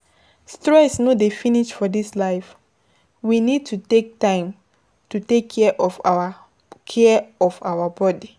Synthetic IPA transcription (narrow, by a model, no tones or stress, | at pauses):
stɹɛsnodefiniʃfɔdislaɪf | winid̚tʰutek̚tãɪ̃m | tutekʰːɛʔɔfaa | kʰɛɔvawabɔdi